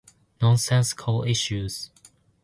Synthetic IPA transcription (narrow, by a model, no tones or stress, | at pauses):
nɔ̃nsɛ̃nskʰəlɪʃʉz̥